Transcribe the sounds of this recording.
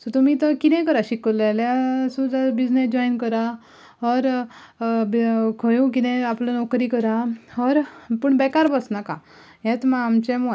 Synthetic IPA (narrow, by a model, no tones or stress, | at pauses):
sɔt̪umiːt̪əkit̪ɛ̃kəɾaɕikəɾlelasud̪abid͡znesd͡ʑɔinkəɾa | ɦɔɾ | bkʰəjũkit̪ɛ̃aplanɔkɾiːkəɾaɦɔɾpəɳbɛkaɾbəsnakã | ɦɛ̃t̪maamt͡ɕẽmo